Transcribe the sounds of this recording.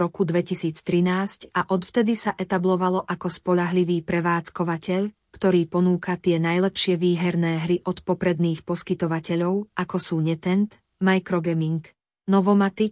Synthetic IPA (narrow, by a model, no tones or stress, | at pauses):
ɾɔkud̪ʋɛcisiːt͡st̪ɾinaːscaʔɔt̪ft̪ɛd̪isaʔɛt̪ablɔʋalɔʔakɔspɔʎaɦliʋiːpɾɛʋaːt͡skɔʋacɛʎ | kt̪ɔɾiːpɔnuːkat̪ɪɛnajlɛpʃɪɛʋiːɦɛɾnɛːɦɾiʔɔt̪pɔpɾɛd̪niːxpɔskit̪ɔʋacɛʎɔʊʔakɔsuːɲɛt̪ɛnt̪ | majkɾɔɡɛmiŋk | nɔʋɔmat̪i